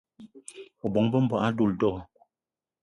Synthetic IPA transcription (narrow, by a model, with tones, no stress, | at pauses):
o˨bɔ˨˦ŋbə˦m̩˦bwa˨ʔa˦du˦˨ldɔ˦˨ɔ˨